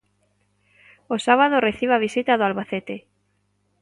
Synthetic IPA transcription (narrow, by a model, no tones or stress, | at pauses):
osaβaðoreθiβaβ̞isit̪aðʊalβaθet̪e